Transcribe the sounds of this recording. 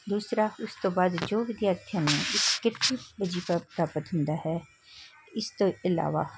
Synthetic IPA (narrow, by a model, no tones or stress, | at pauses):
d̪uːsɾaʊst̪õːbaːd̪d͡ʒoːʋɪd̪jaːɾt̪ʰijanẽɪskɪt̪ibəd͡ʒipəpɾaːpət̪ɦʊ̃nd̪aːɦɛː | ɪst̪oɪla̰ːʋa̰ː